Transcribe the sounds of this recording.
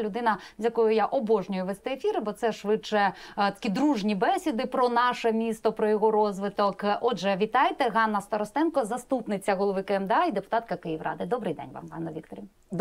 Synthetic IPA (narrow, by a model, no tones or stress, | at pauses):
lʲʊd̪ɪnɐzʲjɐkɔjʊjaʔɔbɔʒnʲɔjʊʋɛst̪ɛefʲiɾɪbɔt̪sɛʃʋɪt͡ʃɛt̪ɐ̥kʲid̪ɾuʒnʲibɛsʲid̪ɪpɾɔnɑʃɛmʲist̪ɔpɾɔjɔɣɔɾɔzʋɪt̪ɔkʔɔd͡ʒɛʋʲit̪ɑjt̪ɛɦɑnːɐst̪ɐɾɔst̪ɛnkɔzɐst̪upnɪt͡sʲːɐɦɔlˠɔʋɪkɪɛmd̪eɑid̪epʊ̥t̪ɑt̪̚kɐkɪjiʋrɑ̰d̪ɪd̪ɔbɾɪjd̪ɛ̰nʲʋɑ̰mɦɑ̰nːɔʋʲik̚t̪ɔɾʲi